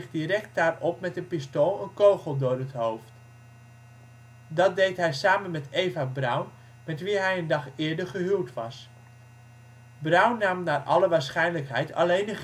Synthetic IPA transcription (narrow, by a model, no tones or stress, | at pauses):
χdirɛk̚t̚daːrɔpmɛtənpɪstolˠənkowχəlˠdʊːɹɦətɦowft | dɑt̚dejtɦɛjsaːmənmɛtejvabrœwn | mɛtʋiɦɛjəndɑχɪːɹdəɹχəɦylˠtʋɑs | brœwnaːmnaːɹʔɑ̰ləʋaːɹsχɛjnləkɦɛjtʰɑ̰lejndə